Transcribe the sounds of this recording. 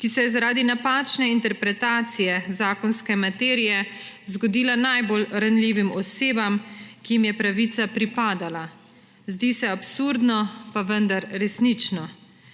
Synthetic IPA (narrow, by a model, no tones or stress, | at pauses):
kisɛjɛzaɾaːd̪inapaːt͡ʃnɛint̪ɛɾpɾɛt̪aːt̪sijɛzaːkɔnskɛmat̪ɛːɾijɛ | zɡɔd̪iːlanajbolɾanliːʋimɔseːbamkijimjɛpɾaʋit̪sapɾipaːd̪ala | zd̪iːsɛapsuɾd̪nɔpaʋənd̪aɾɾɛsnit͡ʃnɔ